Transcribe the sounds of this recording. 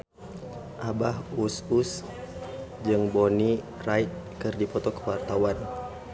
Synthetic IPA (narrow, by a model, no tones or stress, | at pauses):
ʔabaɦusus | d͡ʒɨŋboni | raiʔ̪̚kɨrdipɔt̪ɔkəwart̪awan